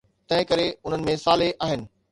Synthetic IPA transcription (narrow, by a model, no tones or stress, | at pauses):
t̪ɐ̃ɦɪ̃kɐɾeʊn̤ənɪ̆mẽsaːleʔaːɦɪnɪ̆